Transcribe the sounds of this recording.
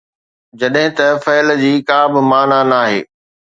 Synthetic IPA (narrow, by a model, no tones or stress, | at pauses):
d͡ʑɐɗɦɪ̃t̪ɐfɛːld͡ʑiːkaːbɪmaːnanaːɦḛː